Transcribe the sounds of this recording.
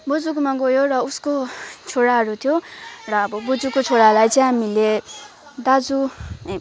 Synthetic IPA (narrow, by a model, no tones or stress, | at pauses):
bud͡zukmaɡojorʌuskot͡sʰoɽaɦʌɾut̪ʰijorʌːbʌbud͡zukot͡sʰoɽalajt͡sʌ̃j̃ɦamile | d̪ad͡zu